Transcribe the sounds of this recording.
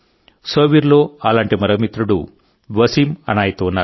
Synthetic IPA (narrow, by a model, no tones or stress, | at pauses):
soːʋiɾloːaːlaːɳʈimɐɾɐmit̪ɾuɽu | ʋɐsimɐ̰naːjit̪uːunːaːɾu